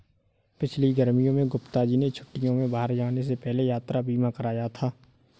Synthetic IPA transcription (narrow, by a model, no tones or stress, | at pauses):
pɪt͡ʃʰliɡəɾmijõmẽɡʊpt̪ad͡ʒinet͡ʃʰʊ̥ʈːijõmẽbaːəɾd͡ʒaːnes̬epɛɦlejaːt̪ɾabiːmãkəɾaːjat̪ʰaː